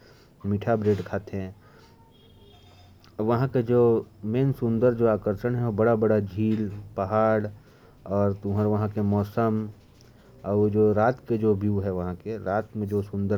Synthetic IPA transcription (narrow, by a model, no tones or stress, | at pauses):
miʈʰabɾeːɖkʰaːt̪ɦɛ̃ | ʋɐɦãked͡ʒoːmeːnsʊ̃nd̪əɾd͡ʒoaːkəɾʃənɦɛobɐɽabɐɽad͡ʒʱiːlpɐɦaːɽ | ɔːɾt̪ũːɦəɾʋɐɦãkemɔːsəm | ɔd͡ʒoːɾaːt̪ked͡ʒoːbʱiuɦɛʋɐɦãkeɾaːt̪mẽd͡ʒoːsʊ̃nd̪ə